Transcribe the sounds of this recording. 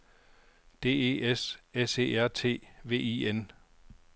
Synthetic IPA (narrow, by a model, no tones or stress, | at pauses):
d̥e̝̰ːe̝esese̝̰ːæɐ̰t͡sʰe̝̰ːʋe̝̰ːien